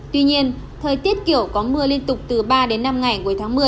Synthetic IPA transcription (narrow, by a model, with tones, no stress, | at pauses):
t̪wi˧ɲi˧ən | t̪ʰəː˨˩jt̪i˦˥ət̚kḭ˧˨əwkɔ˨˦mɨ˧əli˧ənt̪ʊ˨˩k͡p̚t̪ɨ˨˩ɓaː˧ɗe˨˦nːa˧mŋa˨˩jku˨˦jt̪ʰaː˨˦ŋmɨ˨˩əj